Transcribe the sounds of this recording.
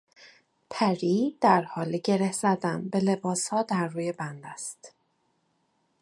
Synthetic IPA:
pʰæɾiːd̪̥æɾhɒːliɟe̞ɾesæd̪æmbe̞le̞bɒːshɒːd̪æɾːuːje̞bænd̪æst̪

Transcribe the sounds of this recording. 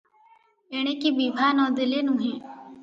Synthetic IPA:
eɽ̃ekibibʱanɔd̪ilenũɦĩ

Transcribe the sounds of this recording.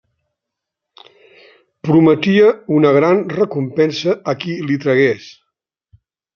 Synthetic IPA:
pɾumət̪iəunəɣ̞ɾanrəkumpɛnsəːkilit̪ɾəɣes

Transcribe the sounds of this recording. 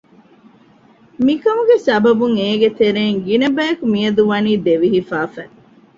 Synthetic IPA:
mikɐmuɡesɐbɐbuŋeːɡet̪eɾeːŋɡinɐbɐjɐkumiɐd̪uʋɐniːd̪eʋiɦifaːfæ

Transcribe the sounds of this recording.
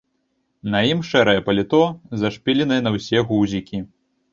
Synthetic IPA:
nɐjimʂɛɾɐjɛpɐlʲɪt̪ɔzɐʂpʲilʲɛnɨjɛnɐwsʲɛɣuwzʲikʲi

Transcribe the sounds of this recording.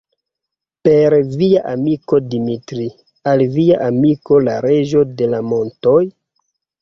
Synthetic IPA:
pe̞ɾviaʔamiko̞dimitɾi | alviaʔamiko̞laɾe̞ʒo̞de̞lamo̞nto̞j

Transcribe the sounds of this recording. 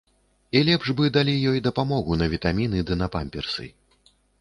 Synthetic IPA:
ilʲɛpʐbɨd̪alʲijɔjd̪ɐpamɔɣunɐvʲit̪amʲinɨd̪ɨnɐpamʲpʲɛrsɨ̰

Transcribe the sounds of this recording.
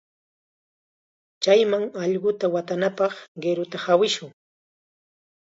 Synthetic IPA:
t͡ʃajmaŋɑʎɢʊt̪awat̪anapɑχɢeɾʊt̪ahawɪʃʊŋ

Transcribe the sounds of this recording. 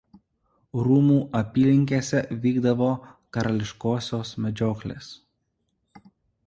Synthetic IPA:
ɾuːmuːʔɐpʲiːlʲɪŋʲkʲeːsʲɛʋʲiːɡd̪ɐʋoːkɐɾɐlʲɪʃkoːsʲoːsmʲɛd͡ʒʲoːklʲḛːs

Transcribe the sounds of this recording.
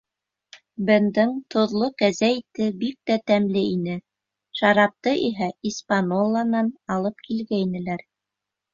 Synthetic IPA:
bɘ̆nd̪ɤŋt̪ʰŏðlˠokæzæjt̪ɘbik̚t̪æt̪æmlɘinɘ | ʃɑɾɑp̚t̪ɤʔiɦæispanolˠːɑnɑnɑlˠɤp̚kʰilɡæinɘ̆læɾ

